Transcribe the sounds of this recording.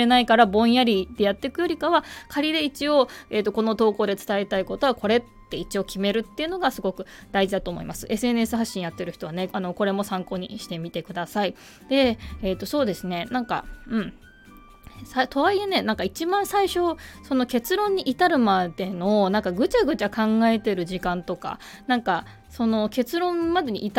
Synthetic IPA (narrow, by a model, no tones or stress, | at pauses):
enaikaɾabõ̞jaɾʲid̪e̞jat̪ːe̞kɯ̟jo̞ɾʲikaβakʰaɾʲid̪e̞it͡ɕio̞e̞ːt̪ːo̞ko̞no̞t̪o̞ːko̞ːd̪e̞t͡sɨ̥t̪aet̪aiko̞t̪o̞βako̞ɾe̞t̪ːe̞it͡ɕio̞kʲʰime̞ɾɯ̟t̪ːe̞iɯ̟no̞ɡasɨɡo̞kɯ̟d̪̥aiʑid̪at̪o̞ːmo̰ḭmasɨ̥ʔe̞sɨen̟e̞sɨɦaɕːĩɰjat̪ːe̞ɾɯ̟çi̥t̪o̞βane̞ano̞ko̞ɾe̞mo̞sãŋko̞ːɲ̟ḭɕi̥t̪e̞mʲit̪e̞kɯ̟d̪asai | d̪̥e̞ːt̪ːo̞so̞ːd̪e̞sɨne̞nãŋka̰ɯ̟̃ɴ | sait̪ʰo̞βaiene̞nãŋkait͡ɕibãɰ̃saiɕo̞so̞no̞ke̞t͡sɨɾõ̞ɲ̟ːiʔit̪aɾɯ̟mad̪e̞no̞nãŋkaɡɯ̟t͡ɕaɡɯ̟t͡ɕakãŋɡae̞t̪e̞ɾɯ̟ʑikãnt̪o̞ka̰ | nãŋka | so̞no̞ke̞t͡sɨɾõ̞mmad̪e̞ɲ̟ʲḭʔːt̪